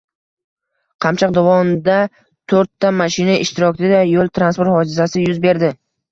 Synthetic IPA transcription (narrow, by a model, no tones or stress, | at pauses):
qʰɑmt͡ʃʰɑq̚d̪avɒmd̪a | t̪ʰoɾt̪ʰːamːaʃɪnaʔɪʃt̪ɪɾɒk̪ʲɪd̪ajolˠt̪ʰɾanspoɾt̪hɒd͡ʒɪzasɪjʊzbe̞ɾd̪ɪ